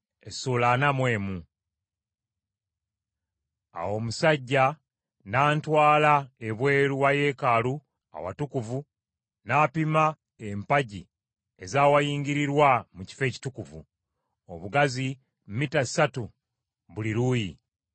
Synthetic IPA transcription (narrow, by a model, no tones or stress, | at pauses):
esulanamwe̞ːmu | a̰wo̞ːmusaɟːa | naːntwaːlaeβwe̞ːɾuwaje̞ːkalu | a̰wa̰tukuvu | naːpima | empaɟi | e̞zaːwajiːŋɡiɾiɾwamuci̥fe̞ːci̥tukuvṵ | o̰βuɡazi | mmitasatu | βuliɾuji